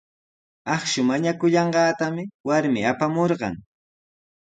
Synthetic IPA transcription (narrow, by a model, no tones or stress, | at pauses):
ɑχʃʊmaɲakʊʎɑɴɢɑːt̪amɪwaɾmɪapamoɾɢɑ̰ŋ